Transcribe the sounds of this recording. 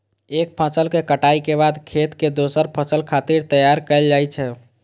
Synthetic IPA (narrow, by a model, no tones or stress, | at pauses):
ek̚pʰəsəlkekəʈaikebad̪kʰet̪ked̪osəɾpʰəsəlkʰat̪iɾt̪əjaɾkəɪld͡ʒajt͡ʃʰɛ